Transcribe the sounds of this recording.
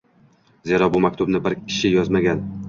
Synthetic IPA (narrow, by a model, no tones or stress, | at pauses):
ze̞ɾɒbʊmakʲt̪ʊbnɪbɪɾkʲʰɪ̥ʃɪjɒzmaɡʲan